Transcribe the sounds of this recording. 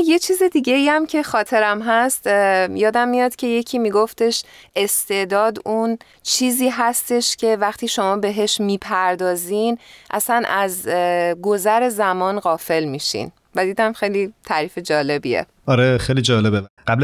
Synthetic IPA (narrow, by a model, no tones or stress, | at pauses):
je̞t͡ʃʰiːzed̪iːɟe̞iæmcʰe̞xɒːt̪ʰe̞ɾæmɦæst̪jɒːd̪æmːijɒːd̪̥cʰe̞je̞cʰiːmiːɡo̞ft̪e̞ʃe̞st̪e̞ʔd̪ɒːd̪un | t͡ʃʰiːziːɦæst̪e̞ʃcʰe̞væxt̪ʰiːʃo̞mɒːbe̞ɦe̞ʃmiːpʰæɾd̪ɒːzinʔæ̰sænʔæzɡo̞zæɾe̞zæmɒːnɢɒːfe̞lmiːʃḭn | væd̪iːd̪æmxejlit̪ʰæɾiːfed͡ʒɒːle̞bḭḛ | ɒɾexejlid͡ʒɒːlebeɢabl